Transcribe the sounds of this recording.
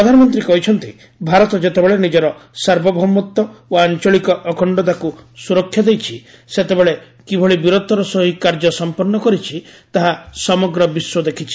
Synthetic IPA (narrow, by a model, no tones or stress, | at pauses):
pɾɔd̪ʱanɔmɔnt̪ɾikɔɦit͡ʃʰɔnt̪i | bʱaɾɔt̪ɔd͡ʒet̪ebeɭenid͡ʒɔɾɔsaɾbɔbʱɔmːɔt̪ːɔoant͡ʃɔɭikɔʔːkɔɳɖɔd̪akusuɾɔkʰːjad̪ejt͡ʃʰi | set̪ebeɭe | kibʱɔɭibiɾot̪ɔɾɔsɔɦikːaɾd͡ʒɔsɔmpɔɾnɔkɔɾit͡ʃʰit̪aɦasɔmɔɡɾɔbiswɔd̪ekʰit͡ʃʰi̥